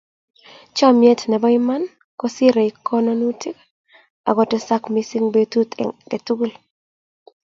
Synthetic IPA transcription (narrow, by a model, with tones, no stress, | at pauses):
t͡ʃɔ˦mje˦tnɛ˨bɔ˦i˦ma˦n | kɔ˦si˦ɾe˨i˨kːɔ˦nɔ˦nu˦tʰi˦k | a̰˨ɡɔ˨tɛ˦sa˦kmi˦si˦ŋbe˦tu˦t̪ɡe˨tu˦ɡu˦l